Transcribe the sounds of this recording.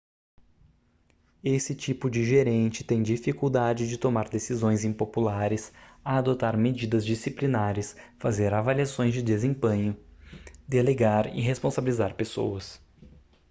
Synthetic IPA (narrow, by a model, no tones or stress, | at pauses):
esɪt͡ʃipʊd͡ʒɪʒeɾẽnt͡ʃɪ̥t̪ẽj̃d͡ʒifikuwd̪ad͡ʒɪd͡ʒɪt̪omaɾd̪esizõj̃zẽj̃populaɾɪsɐːd̪ot̪aɾmed͡ʒid̪ɐzd͡ʒisiplinaɾɐsfazeɾavaliasõj̃zd͡ʒɪd̪ezẽpẽɲʊ | d̪eleɡaɾɪ̰ɦespõsabilizaɾpeso̰wɐs